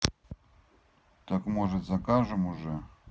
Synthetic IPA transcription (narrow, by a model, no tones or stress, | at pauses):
t̪akmoʐɨt̪zɐkaʐɨmuʐɛ